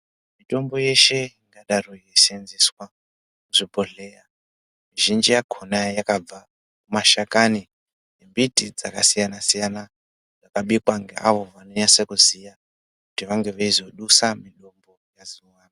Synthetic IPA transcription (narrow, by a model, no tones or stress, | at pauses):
mitʼo̞mbo̞je̞ʃe̞iŋɡaɗarojesenziswa | kuʐibʱo̞ɮeja | miʒind͡ʒijakʰonajakab͡va | kumaʃakani | nembitid͡zakasijanasijana | d͡zakaɓikwaŋɡḛaʋo̞ʋano̞ɲasekuzija | kutiʋaŋɡe̞ʋaizo̞ɗusamiɗo̞mbo̞jaziwaːna